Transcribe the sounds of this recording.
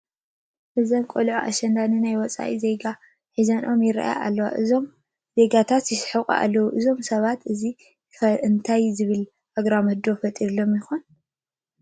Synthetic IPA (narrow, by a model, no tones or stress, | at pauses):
hɨzɐnkʼolʕoʔa̰ʃɐnd̪anɨnajwɔt͡sʼa̰ʔḭze̞ɡa | ħizɐnʔo̞mjɪɾa̰ʔa̰ja̰ʔa̰lːɐwa̰ʔɨzom | z̥e̞ɡat̪ʰat̪jɪsɨ̥ħɐkʼṵʔa̰lːɐwuʔɨzo̞msɐβat̪ʔɨzi | ɐɨnt̪ʰajzɨβɨl | ʔaɡɾamɐhd̪o̞fɐt̪ʼiɾlo̞mjɪxon